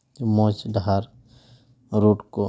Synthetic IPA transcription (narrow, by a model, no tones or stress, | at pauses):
mɔ̃ːt͡ʃɖʱaɾ | ɾoːʈko